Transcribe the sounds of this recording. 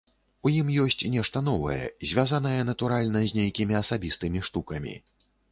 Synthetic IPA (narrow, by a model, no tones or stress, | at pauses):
ujimjɔsʲt͡sʲnʲɛʂt̪ɐn̪ɔvɐ̰jɛ̰zʲvʲazan̪ɐjɛn̪ɐt̪uɾalʲnɐzʲnʲejkʲimʲiɐsabʲist̪ɨmʲiʂt̪ukɐmʲḭ